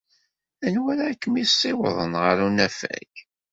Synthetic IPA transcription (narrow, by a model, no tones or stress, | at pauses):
ænwæɾaːkːəmisˤːɪwəðˤə̰nʁəɾunæfæ̰ç